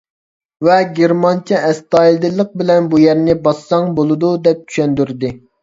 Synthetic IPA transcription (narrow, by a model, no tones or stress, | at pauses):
vɛɡʲeɾmɑnt͡ʃʰɛɛst̪ɑilˠd̪ɪlˠːəq̚bɪlɛnbujæɾnɪbɑsːɑŋbolˠɨd̪ud̪ɛp̚t͡ʃʰy̥ʃɛnd̪yɾd̪ɪ